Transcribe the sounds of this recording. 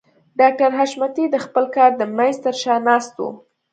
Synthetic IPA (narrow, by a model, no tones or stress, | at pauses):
ɖɑk̚ʈaɾɦaʃmat̪id̪əxpəlkɑɾd̪əmajnzt̪əɾʃɑnɑst̪ṵ